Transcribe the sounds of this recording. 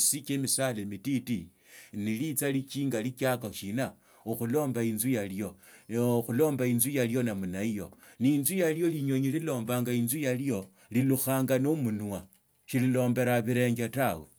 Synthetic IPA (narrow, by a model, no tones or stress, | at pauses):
sit͡ʃemisalemititi | nilit͡salit͡ʃiːŋɡalit͡ʃakaʃina | oxulo̞ːmbainzujaljo̞ | xulo̞ːmbainzujaljo̞namunaijo̞̰ninzujaljo̞liɲo̞ɲililo̞ːmbaːŋɡainzujalijo̞ | liluxaːŋɡanomunwa | ʃililo̞ːmbe̞ɾaβiɾe̞ŋɡatawe